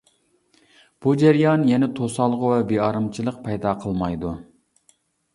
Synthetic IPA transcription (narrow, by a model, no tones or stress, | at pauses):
b̥ud͡ʒæɾijɑnjɛnɛt̪ʰosɑlˠʁəwɛbeɑɾɨmt͡ʃʰilˠəq̚pʰɛjd̪ɑqʰəlˠmɑjd̪u